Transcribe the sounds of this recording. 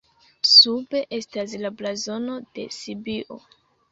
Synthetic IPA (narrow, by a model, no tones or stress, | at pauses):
sube̞ʔe̞stas̬laplazo̞no̞d̥e̞̰sibiʔo̰